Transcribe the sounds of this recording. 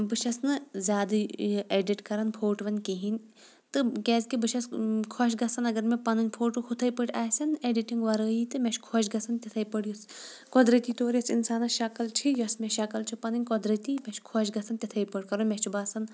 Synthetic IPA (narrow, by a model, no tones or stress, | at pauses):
bɨʃɐsnɨzʲaːd̪ɨeːɖiʈkɐɾɐnpʰoːʈʋɐnʲkeɦinʲ | t̪ɨkʲɛːzkibɨʃʰɐskʰɔʃɡɐsɐnɐɡɐɾmepɐnɨnʲpʰoːʈuxʰut̪ʰɐjpəʈʲaːsʲɐneːɖiʈiŋɡʋɐɾəːjit̪ɨmʲɛt͡ʃʰkʰɔʃɡɐsɐnt̪ʲɐt̪ʰɐjpɐɽjos | kɔd̪ɾɐt̪iːt̪oːɾjɐsinsaːnɐʃɐkɐlt͡ʃʰijɔsmʲɛʃɐkɐlt͡ʃʰipɐnɨnʲkɔd̪ɾɐt̪iːmɛt͡ʃʰkʰɔʃɡɐsɐnt̪ʲit̪ʰɐjpɐɽʲkɐɾunmʲet͡ʃʰibaːsɐn